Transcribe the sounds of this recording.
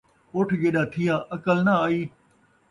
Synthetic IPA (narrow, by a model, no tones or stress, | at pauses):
oːʈʰɡeːɗaːt̪ʰɪjãːʔɐkəlnaaːiː